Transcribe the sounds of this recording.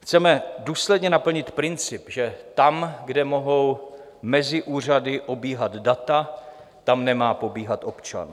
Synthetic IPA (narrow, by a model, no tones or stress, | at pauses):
xt͡sɛmɛduːslɛdɲɛnapl̩ɲɪt̪pɾɪnt͡sɪpʒɛt̪amɡdɛmo̞ɦo̞w | mɛzɪʔuːr̝adɪʔobiːɦad̪dat̪a | t̪amnɛmaːpo̞biːɦat̪o̞pt͡ʃa̰n